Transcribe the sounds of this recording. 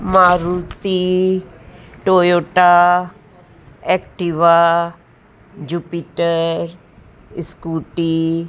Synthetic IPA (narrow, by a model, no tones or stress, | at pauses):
maːɾut̪i | ʈoːjoːʈa | ɛkʈiʋa | d͡ʒupiʈəɾ | ɪskuʈi